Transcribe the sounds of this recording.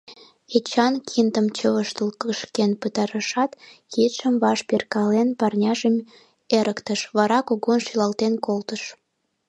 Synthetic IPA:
et͡ɕɑnkʰind̪əmt͡ɕəβəʃt̪əlkəʃkenpət̪ɑɾəʃɑt̪kit̪ʃəmβɑʃperkɑlenpɑrnʲɑʒəm | eɾəkt̪əʃβɑɾɑkoɣonʃylɑlt̪enkolt̪əʃ

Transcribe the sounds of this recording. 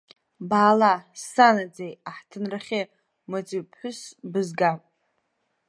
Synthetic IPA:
baːlasanad͡zejaħtʰɨnraχʲɪ | mod͡zipʰħʷʊsbɨzɡapʼ

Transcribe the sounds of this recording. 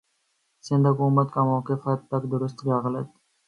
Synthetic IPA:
sɪ̃nd̪hʊkuːmət̪kamɔːkɪfɐt̪̚pɐkd̪ʊɾʊst̪ɡɑːɣlət̪

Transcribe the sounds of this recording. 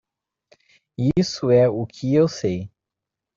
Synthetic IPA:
isʊɛʊkʰɪewsej

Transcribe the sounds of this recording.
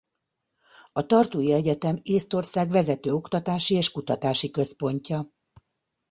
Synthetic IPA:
ɒt̪ɒrt̪uːjiɛɟɛt̪ɛmeːst̪o̞rsaːɡvɛzɛt̪øːo̞kt̪ɒt̪aːʃieːʃkut̪ɒt̪aːʃikø̞spo̞ɲcɒ

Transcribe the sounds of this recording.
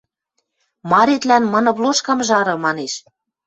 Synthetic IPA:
mɑɾet̪lænmɤ̆nɤ̆βloʃkɑmʒɑɾɤ̆mɑneʃ

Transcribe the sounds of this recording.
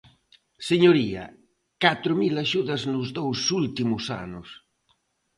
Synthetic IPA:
seɲoɾia̰ | kat̪ɾumilaʃuðaznuzðowsult̪imusa̰nus

